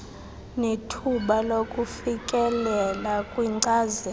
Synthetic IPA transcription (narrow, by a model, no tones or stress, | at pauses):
netʰuɓalokʼufikʼɛlɛlakʼwiŋ͡ǀaːzɛ